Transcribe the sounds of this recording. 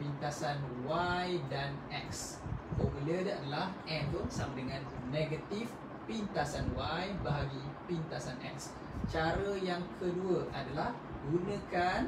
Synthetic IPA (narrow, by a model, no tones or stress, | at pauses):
pint̪asanwajdanɛks | pɔpulədadəlahɛnt̪osamadəŋãnːeɡat̪if | pint̪asanwajbaɦaɡipint̪asanʔɛ̰k̚s | t͡ʃaɾəjaŋkʰəduəʔadalah | ɡunə̃kan